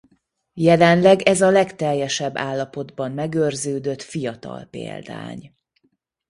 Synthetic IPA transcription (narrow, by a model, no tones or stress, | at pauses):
jɛlɛnlɛɡɛzɒlɛkt̪ɛjːɛʃɛbːaːlːɒpo̞d̪bɒmmɛɡørzøːd̪ø̞t̪fijɒt̪ɒ̰lpḛːld̪a̰ːɲ